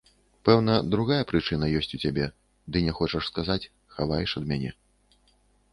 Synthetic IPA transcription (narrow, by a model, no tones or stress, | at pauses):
pɛwnɐd̪ɾuɣajɐpɾɨt͡ʂɨn̪ɐjɔsʲt͡sʲut͡sʲabʲɛ | d̪ɨnʲɛxɔt͡ʂɐʂskazat͡sʲ | xavajɛʂɐd̪̚mʲanʲɛ̰